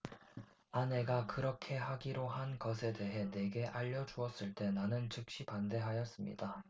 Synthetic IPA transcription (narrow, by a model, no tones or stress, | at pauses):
ane̞ɡakɯɾʌkʰe̞ɦaɡiɾohanɡʌsʰe̞de̞ɦe̞ne̞ɡe̞ʔaʎːʌd͡ʑuʌs͈ɯɭt͈e̞nanɯnt͡ɕɯk̚ɕ͈ipande̞ɦajʌs͈ɯmɲḭda